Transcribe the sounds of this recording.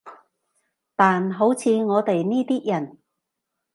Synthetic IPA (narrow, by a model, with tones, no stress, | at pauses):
t̪aː˨nɦo˨˥wt͡sʰiː˨˧ŋɔː˨˧t̪e˨jniː˥t̪iː˥jɐ˨˩n